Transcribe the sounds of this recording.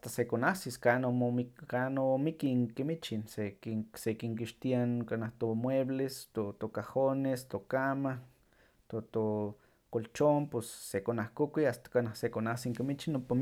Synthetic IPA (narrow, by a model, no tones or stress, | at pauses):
ast̪asekonasiskanooikanomikiŋkimit͡ʃinsekisekiŋkiʃt̪iankanaht̪omweblest̪ot̪okahonest̪okamah | t̪ot̪o | kolt͡ʃompesːekonahkukiast̪ḁkanahsekonasiŋkimit͡ʃinompam